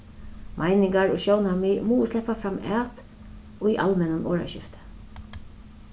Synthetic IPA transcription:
mʔaɪnɪŋɡɑɹoːʃoʊnɑmimuːslɛpafɾɑmæːt̪ | oiːʔɑlmɛnɑnʔoːɹɑ̰ʃɪ̰ft̪ə̥

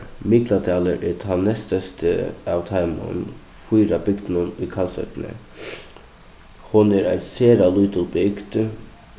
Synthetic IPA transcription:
mɪk̪lɑt̪ʰɑːləɾʔeːt̪ʰɑnːɛst̪əst̪ʰə̰ɑʋt̪ʰɑɪmə̰n | fuːɾɑbʏɡt̪nʊniːkʰɑlsœ̰t̪nə̰ | hʊnæːɾæ̰ɪseːɾɑluːt̪əlbɪɡt̪

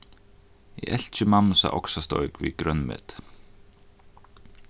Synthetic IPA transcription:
ɛ̰ɛl̥t͡ɕʏmamsa̰ʔɔ̰ksast̪oɥkvikɾœnmɪ̰t̪

